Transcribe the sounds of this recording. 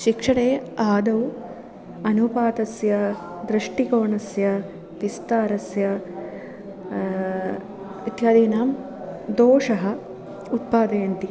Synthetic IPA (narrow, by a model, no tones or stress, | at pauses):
ʃikʂɐɳeːaːd̪ɐw | ɐnupaːt̪ɐsjɐ | d̪ɾɐʂʈikoːɳɐsjɐ | pist̪aːɾɐsjɐ | it̪jaːd̪eːnaːm | d̪oːʂɐɦɐ̆ | ut̪̚paːd̪ɐːɐnt̪i